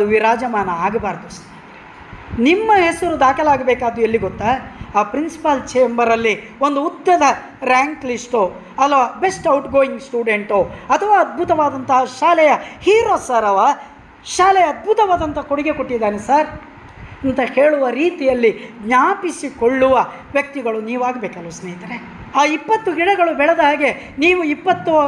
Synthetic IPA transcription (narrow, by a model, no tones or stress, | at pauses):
ɐd̪uʋiɾaːd͡ʒɐmaːnɐaːɡɐbaːɾd̪us | nimːɐɦesɐɾud̪aːkɐlaːɡɐbɛːkaːd̪uelːiɡot̪ːaaːpɾinsi̥pɐlt͡ʃeːmbɐɾɐlːi | ond̪uːt̪ːɐd̪ɐ | ɾaːŋklisʈo | ɐlːɐʋaːbe̞sʈɐwʈɡoːiŋɡsʈuːɖe̞ɳʈoɐt̪ʰɐʋaːɐd̪̚bʱut̪ɐʋaːd̪ɐnt̪ɐɦɐʃaːlɛjɐhiːɾoːsɐɾɐʋa | ʃaːlɛjɐːd̪̚bʱut̪ɐʋaːd̪ɐnt̪ɐkoɽiɡe̞koʈːid̪ːaːnesaɾ | ɐnt̪ɐhe̞ːɭuʋɐɾiːt̪ijɐlːiɡɲaːpisikoɭːuʋɐ | ʋjɐk̚t̪iɡɐɭuniːʋaːɡbeːkɐlːusneːjit̪ɐɾe | aːipːɐt̪ːuɦiɽɐɡɐɭubɛɭed̪ɐɦaːɡe̞ | niːʋuipːɐt̪ːu